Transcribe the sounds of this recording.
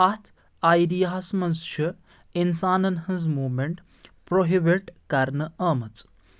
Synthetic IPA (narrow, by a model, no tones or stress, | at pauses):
ɐt̪ʰ | aːjɖijaːsmɐnzt͡ʃʰi | insaːnɐnɦɐ̃nzmuːmeɳʈ | pɾoɦibiʈkɐɾnɨɐːmɐt͡s